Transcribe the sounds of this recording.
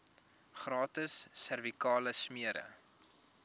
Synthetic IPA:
χrɑːtəsːərvikɑːləsmiəɾə̰

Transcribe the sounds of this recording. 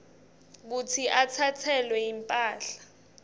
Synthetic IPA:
ɓut͡sʰiʔat͡sʰat͡sʰɛlwɛimpʼaːɬḁ

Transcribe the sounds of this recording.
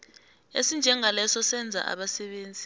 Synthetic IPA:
ḛsind͡ʒʱɛŋʱalɛsɔsɛnd͡zʱa̰ʔa̰ɓasɛɓeːnd͡zʱi

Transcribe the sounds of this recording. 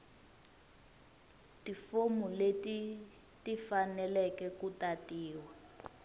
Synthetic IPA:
tifomuleti | tifanɛlɛkɛkutatiːwa

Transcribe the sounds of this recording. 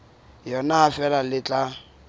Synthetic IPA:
jɔnaafɛlalɪt͡ɬʼa

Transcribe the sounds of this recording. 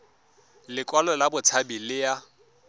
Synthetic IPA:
lɪkʼwalɔlabʊt͡sʰabilɪja

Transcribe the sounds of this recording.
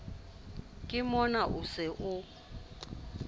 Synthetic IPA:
kʼɪmɔnaʔʊsɪʔʊ

